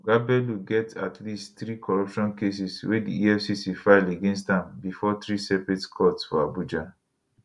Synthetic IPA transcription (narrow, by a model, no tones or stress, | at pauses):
ɡabɛluɡɛtatʰlistθɹikʰɔɹɔpʃɔ̃nkes̬iswedḭiɛfsisifaɪleɡẽnstãmbifɔt̪ɹisɛpetskʰɔtsfɔ̰abud͡ʒa